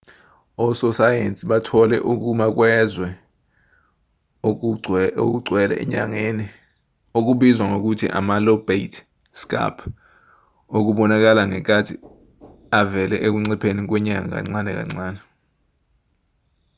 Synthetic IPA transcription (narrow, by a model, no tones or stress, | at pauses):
ɔsɔsajensʼiɓatʰɔlɛ̰ʔuk̬umak̬wɛzwɛ | o̰k̬uǀwɛla̰ʔɛ̰ɲa̰ŋeːni | ok̬uɓizwaŋok̬utʰḭʔa̰malobetʰ | skʼa̰pʰ | ok̬uɓɔnak̬alaŋɛk̬ʼatʰḭ | avɛlɛʔek̬uŋ͡ǀipʰenik̬wɛɲaŋa̰k̬a̰ŋ͡ǀanɛk̬a̰ŋ͡ǀaːnɛ